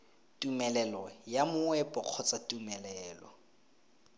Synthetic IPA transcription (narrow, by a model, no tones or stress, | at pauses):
tʼumɛlɛlɔjamʊɛpʼɔq͡χʰɔt͡satʼumɛlɛːlɔ̰